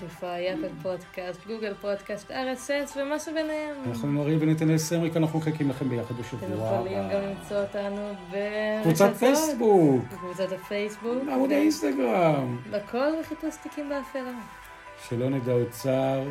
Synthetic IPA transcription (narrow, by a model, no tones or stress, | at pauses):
t̪ifoajapadpod̪kast̪ɡuɡelpo̞d̪kast̪aʁesesvemaʃubenehemanaχnunoʁimbenit̪enesemʁikianaχnuχekimlaχe̞mbejaχad̪beʃavuaolajomɡamlimt͡sootanuvevut͡saafejsbukekvut͡sat̪afejsbukamod̪ainst̪aɡʁambakʰolveχipust̪ikimbeafela | ʃelo̞ned̪aut͡saʁ